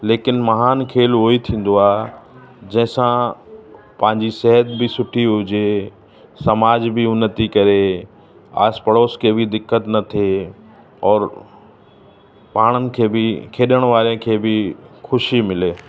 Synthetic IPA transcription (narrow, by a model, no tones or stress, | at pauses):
leːkɪnmɐɦaːnkʰeːlɦoːit̪ʰĩːn̆d̪oaːɦ | d͡ʑɐ̃ɦɪ̃sã | pɐ̃ɦɪ̃ɲd͡ʑisɛɦət̪bɪsʊʈʰiɦʊd͡ʑe | sɐmaːd͡ʑbɪʊnːət̪ikɐɾe | a̰ːspɐɽoːskʰeːbɪd̪ɪkːət̪nɐt̪ʰe | ɔːɾ | paːɽ̃ənɪ̆kʰeːbɪkʰeːɗəɽ̃ʋaːɾẽkʰeːbɪxʊʃimɪleː